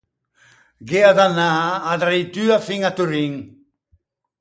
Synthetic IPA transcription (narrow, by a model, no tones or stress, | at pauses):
ɡeaðanaːd̪ɾajt̪yafiŋat̪uɾiŋ